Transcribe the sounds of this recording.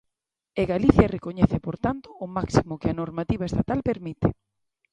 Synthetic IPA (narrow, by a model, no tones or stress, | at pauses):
eɣaliθjarekoɲɛθɪpoɾt̪ant̪ʊːmaksimʊkɪɐnoɾmat̪iβaest̪at̪alpeɾmit̪ɪ